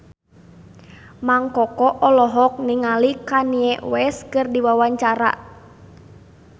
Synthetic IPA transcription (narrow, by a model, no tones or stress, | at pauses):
maŋkɔkɔʔɔlɔɦɔk̚niŋalikaniɛʔwɛskɨrdiwawaɲt͡ʃaɾa̰